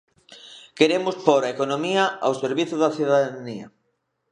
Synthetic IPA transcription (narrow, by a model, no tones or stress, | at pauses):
keɾemʊspoɾɐekonomiɐawseɾβiθʊðɐθuðaðniɐ